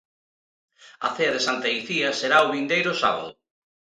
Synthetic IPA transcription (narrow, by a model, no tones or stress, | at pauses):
ɐ̰θeɐðesant̪aiθiɐseɾaoβind̪ejɾʊsaβa̰ðʊ